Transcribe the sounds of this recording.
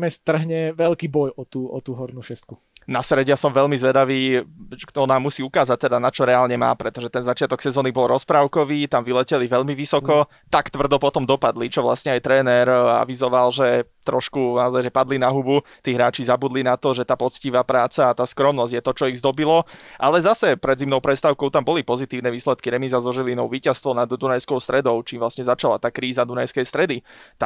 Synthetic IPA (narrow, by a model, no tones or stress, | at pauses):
mɛst̪r̩ɦɲɛʋɛlkiːbɔjɔt̪uːɔ̰t̪uːɦɔɾnuːʃɛst̪̚ku | nasɾɛɟasɔmʋɛʎmizʋɛd̪aʋiːkt̪ɔnaːmusiːukaːzac̚t̪ɛd̪anat͡ʃɔɾɛaːlɲɛma̰ːpɾɛt̪ɔʒɛt̪ɛnzat͡ʃɪat̪ɔksɛzɔːnibɔlɾɔspɾaːʊkɔʋiːt̪amʋilɛcɛliʋɛʎmiʋisɔkɔ | t̪akt̪ʋr̩d̪ɔpɔt̪ɔmd̪ɔpad̪lit͡ʃɔʋla̰sɲɛajt̪ɾɛːnɛɾa̰ʋizɔʋalʒɛt̪ɾɔʃkunaɔzajʒɛpad̪linaɦubut̪iːɦɾaːt͡ʃizabud̪linat̪ɔʒɛt̪aːpɔt͡sciʋaːpɾaːt͡saːt̪aːskɾɔmnɔzɟjɛt̪ɔt͡ʃɔiɣzd̪ɔbilɔʔalɛzasɛpɾɛd̪zimnɔʊpɾɛt̪st̪aʊkɔʊt̪ambɔlipɔzit̪iːʊnɛʋiːslɛt̪̚kiɾɛmizazɔʒilinɔʊʋiːcast̪ʋɔnad̪d̪unajskɔʊst̪ɾɛd̪ɔʊt͡ʃiːmʋlasɲɛzat͡ʃala̰t̪aːkɾiːzad̪unajskɛjst̪ɾɛd̪it̪a